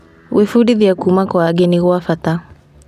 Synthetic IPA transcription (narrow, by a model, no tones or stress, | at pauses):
wifuɗiðjakumakwaːɡɛniɣuafata